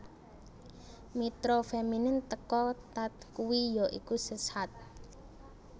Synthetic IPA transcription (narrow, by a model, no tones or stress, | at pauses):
mit̪ɾofeminɪnt̪əkɔt̪at̪̚kuwijɔʔḭkusəsat̪̚